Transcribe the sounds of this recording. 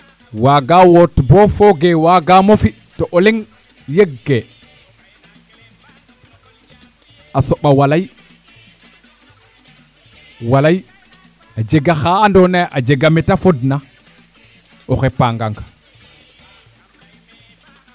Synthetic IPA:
waɡaːwotbofoɡewaɡaːmofi | toʔoleŋ | jeɡːe | asoɓawalaj | walaj | ad͡ʒeɡaxaːndonaʔad͡ʒeɡametafodna | oxepaːŋɡaŋɡ

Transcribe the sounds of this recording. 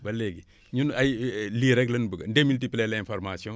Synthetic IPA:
bɐlːeɡi | ɲunajliɾɛklɐnbəɡndemiltiplɛlɛ̃nfɔɾmasiɔ̃

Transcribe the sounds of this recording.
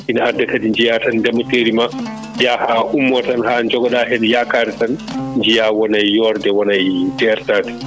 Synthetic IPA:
ʔinaadːakadiɲd͡ʒijatandɛmːɔteɾima | jahaʔumːɔtanhand͡ʒɔɡɔɗahɛnɛjakaːɾɛtanɲd͡ʒijawɔnajːɔɾdɛwɔnajdɛɾtaːdɛ̥

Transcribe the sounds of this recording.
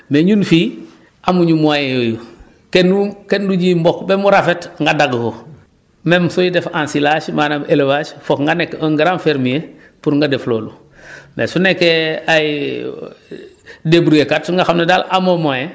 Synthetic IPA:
meɲunfi | ʔamuɲumajejoju | kenukenduɟimbɔkbemuɾafetŋɡadaɡko | memsojidefãnsilaːʃmaːnabelewasfokŋɡanekːoŋɡiɾãnfeɾmije | puɾŋɡadefloːlu | mḛsunekːeai | debuɾujekatsuŋɡaxamnedalamomaje

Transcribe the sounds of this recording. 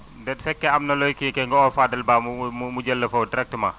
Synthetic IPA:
dɛdfɛkːɛɐmnɐlɔjkikɛŋɡɔɔfadɐlbaːmummuɟɐlːɐfɐwdɾɛk̚tma

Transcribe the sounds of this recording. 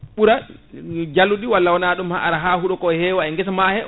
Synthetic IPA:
ɓuɾa | d͡ʒalːuɗiwalːawɔnaɗumhaaɾaɦahuɗɔkɔhɛːwaɛŋɡɛsamahɛ

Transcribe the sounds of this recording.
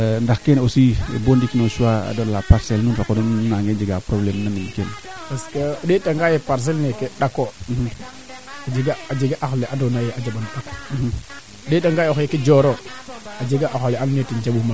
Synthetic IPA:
ndaxkenosibondikinosuwaa̰dolapaɾselnunɾakodunnaŋɡed͡ʒeɡapɾoblemnanimkenpaskəɗeɗaŋɡajepaɾs̬elnekeɗakom̩ | ad͡ʒeɡaad͡ʒeɡaʔaxoleʔadonajead͡ʒabanɗako̥ | ɗeɗaŋɡajoxeked͡ʒoɾoad͡ʒeɡaʔaxoleannetind͡ʒabuma

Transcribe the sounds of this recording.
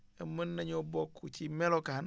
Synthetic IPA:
emənːaɲobokʰːut͡ʃimelokahan

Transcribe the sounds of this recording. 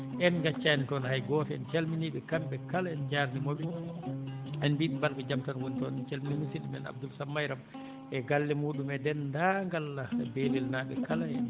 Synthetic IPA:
ʔɛnɡat͡ʃːanitɔnhajɡɔfɛɛ̰nt͡ʃalminiɓɛkamɓɛkalaɛnd͡ʒaɾnimoɓi | ɛnbiɓibalkad͡ʒamtanwonitɔnɛnt͡ʃelminimisidumɛ̰na̰b̚dulsamːajɾam | ɛɡalːimuɗumɛdɛndaŋɡalːaɛbeːlilnaɓɛkalaɛn

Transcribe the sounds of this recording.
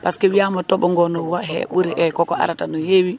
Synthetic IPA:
paskɛwijamɔtɔɓɔŋɡɔnɔwaɦɛ̰ɓuɾiʔɛkɔkɔʔa̰ɾatanɔjewi

